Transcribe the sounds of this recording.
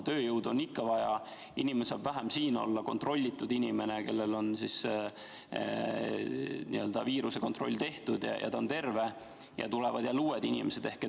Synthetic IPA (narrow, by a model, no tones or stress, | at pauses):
t̪ø̞ːjɤwd̪̥onːikːɑvɑjɑ̰ | inimenesɑːb̥væɦæmsiːno̞̰lːɑko̞nt̪ro̞lʲːit̪ːˑud̪inʲime̞neke̞lːelo̞nsis | nḭø̞ld̪̥ɑviːɾuse̞ko̞nt̪ˑro̞̰lʲːt̪e̞ht̪ud̪̥j̰jʔɑ̰t̪ɑont̪e̞rve̞ | jɑ̰t̪ulevɑd̪̥jɑluːed̪inʲḭmese̞d̪̥e̞hke